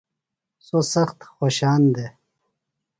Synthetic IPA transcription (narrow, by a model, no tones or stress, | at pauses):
sosɐxt̪xoɕaːnd̪e